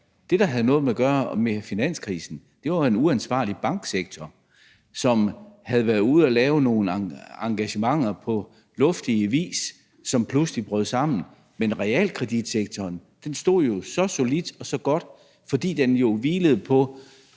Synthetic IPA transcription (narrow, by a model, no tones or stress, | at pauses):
d̥e̝d̥ɑ̈ɦæð̞ˠənɔ̽ːð̩ˠmeæɡ̥ɶːɐmefinæn̰skʰʁiːsn̩d̥e̝ʋɑe̝nuænsʋɑ̰̈ːlib̥ɑ̈ŋɡ̥seɡ̥t͡sʰɒ | sɒ̽mhæð̞̩ˠʋæɐðˠuð̞̩̰ˠælɛːʊno̝ːn̩ɑɑ̈ŋɡ̥æɕəmɑ̈ŋ̰ɐpʰɒ̽ | lɔ̽fd̥iəʋḭːs | sɒ̽mpʰluslib̥ʁœð̞̩̰ˠsɑ̈m̰n̩ | menʁɛɛ̰lkʰʁɛd̥id̥seɡ̥̚t͡sʰɒːnd̥ensd̥o̝ð̰ˠjo̝sɒ̽so̝lid̥ɒ̽sɒ̽ɡ̥ɒ̽d̥ | fɒ̽d̥ḭːd̥enjo̝ʋiːləð̞̩ˠpʰɒ̽